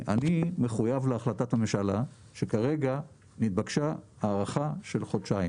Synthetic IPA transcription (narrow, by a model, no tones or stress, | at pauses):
a̰nimeχujavleaχlatatameʃala | ʃekaʁe̞ɡa | nit̪̚bakʃaaːʁaχaʃe̞lχodʃaim